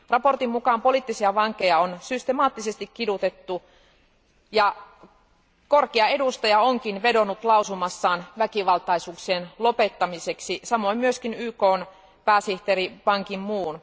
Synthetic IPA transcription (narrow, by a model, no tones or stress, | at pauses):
rɑpo̞rt̪immukɑːmpoliːˑt̪ːisiɑʋɑŋkːˑe̞jɑonsyst̪emɑːt̪ːisest̪ikkidut̪et̪ːu | jɑ | korkeɑedust̪ɑjɑoŋkinʋedonut̪lɑusumɑsːɑːnʋækiʋɑlt̪ɑisuːksienlope̞t̪ːɑmiseksisɑmoimmyøskinyːkoːn | pæːsiht̪eɾipɑŋkimmuːn